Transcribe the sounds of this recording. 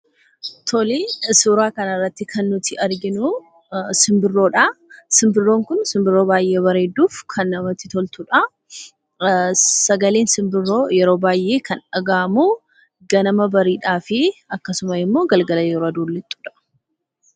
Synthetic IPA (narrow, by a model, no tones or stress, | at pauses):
t̪ʰɔlisuːɾaːkɐnɐrːɐt̪ːɪkʰɐnːʊt̪ʰɪʔɐɾɡɪnʊ | sɪmbɪrːo̞ːᶑɐsɪmbɪrːo̞ːŋkʊnsɪmbɪrːo̞ːbaːjʔeːβɐɾe̞ːd̪ːuːfkʰɐnːɐmɐt̪ːɪt̪ɔlt̪ʊᶑɐ | sɐɡɐle̞ːnsɪmbɪrojɛɾo̞ːbaːjʔe̞ːkʰɐnᶑɐɡaːmu | ɡɐnɐmɐbɐɾiːᶑaːfɪɐkːɐsʊmɐɪmːo̞ːɡɐlɡɐlɐjɛɾod̪oːlːɪt̪ʼːu̥ːᶑɐ̥